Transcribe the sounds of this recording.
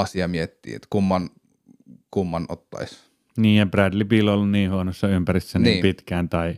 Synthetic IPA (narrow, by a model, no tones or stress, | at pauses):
ɑsiɑmiet̪ːḭːḛt̪kumːɑn | kumːɑno̰t̪ːɑ̰is | niːjjɑpræd̪lipilːolːunniːhuonosːɑympærisːæniːimːpit̪kæːnt̪ɑi